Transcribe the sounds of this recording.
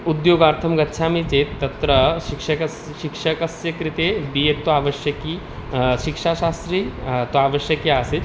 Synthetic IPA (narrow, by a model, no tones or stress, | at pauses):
ud̪joːɡaːɾt̪ʰɐmɡɐtːʃʰaːmit͡ɕet̪ːɐt̪ɾɐʃikʂɐkɐs | ʃikʂɐkɐsjɐkɾit̪ebijek̚t̪ːoaːʋɐʃjɐkiː | ʃikʂaʃaːst̪ɾit̪oaːʋəʃjɐkjaːse